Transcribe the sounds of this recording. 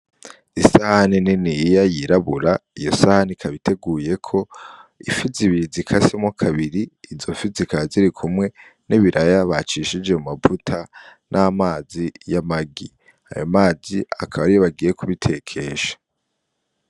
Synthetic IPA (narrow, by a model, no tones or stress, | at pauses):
isahanininijajiɾaβuɾaijo̞sahanikʰaβitʰe̞ɡuːje̞kʰo̞ifiziβiɾizikʰasemwakʰaβiɾiːzofizikaziɾikʰumŋwe̞ | niβiɾʔajaβat͡ʃiʃid͡ʒe̞mumavutʰanʔaːmaːzijamaɡi | a̰jomaːzia̰kʰaβaɾijoβaɡije̞kuβitʰe̞kʰe̞ʃḁ